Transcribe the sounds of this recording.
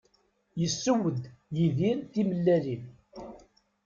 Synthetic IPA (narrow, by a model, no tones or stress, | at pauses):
jəsːəwəd̪jiðiɾt̪iməlːælin